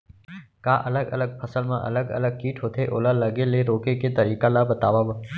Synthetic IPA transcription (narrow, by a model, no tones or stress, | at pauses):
kaʔələɡə̰ləɡ̚pʰəsəlmãʔə̰ləɡə̰ləɡ̚kiːʈʰɦot̪ʰeʔo̰laləɡeleɾokeket̪əɾikalabət̪aʋaba